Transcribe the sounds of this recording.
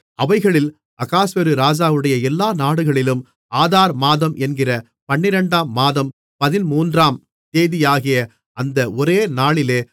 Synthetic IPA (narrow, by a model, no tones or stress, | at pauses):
ɐʋɐɪɣɐɭɪl | ɐɣaːsʋɐɾɯɾaːd͡ʒaːʋɯɽɐjɐɛlːaːnaːɽɯɣɐɭɪlɯm | ʔaːðaːɾmaːðɐmʔɛnɡɪrɐ | pɐɳːɪɾɐɳɖaːmːaːðɐm | pɐðɪnmuːndraːm | t̪eːðɪjaːɣɪjɐ | ɐnd̪ɐʔɔɾeːnaːɭɪleː